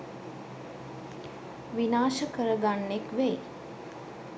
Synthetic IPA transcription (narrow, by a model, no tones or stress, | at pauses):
ʋinaːʃəkəɾəɡaɳːekʋej